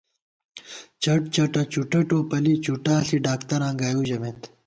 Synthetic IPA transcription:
t͡ɕɐʈ̚t͡ɕɐʈɐt͡ɕuʈɐʈoːpɐlit͡ɕuʈaːsiɖaːkt̪ɐɾãːŋɡaːjud͡ʑɐmet̪

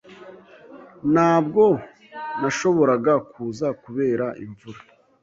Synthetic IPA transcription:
naːbɡo̞ | naʃo̞βo̞ɾaɡakʰuːzakuβe̞ːɾaʔḭɱvuɾa

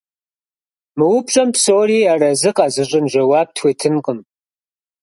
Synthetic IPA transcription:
mɨwʊpɕʼɐmpsoːriːaːrɐzɨqɑːzɨʑʼɪnʒɐwaːp̚tʰwʷeːtʰɨnqəm

